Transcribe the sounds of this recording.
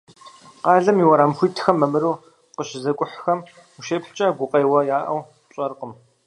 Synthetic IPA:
qɑːɮɐmiwɐɾaːmxʷiːtʰxɐmːɐmɨɾuː | qəɕzɐkʷʼʊħxɐm | uʃeːpħt͡ʃʼɐɡʷʊqʼɐjwɐjaːʔɐ̰w | ɕʼɐrqəm

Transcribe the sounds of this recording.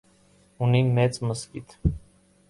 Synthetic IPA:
unimɛt͡sməskit̪ʰ

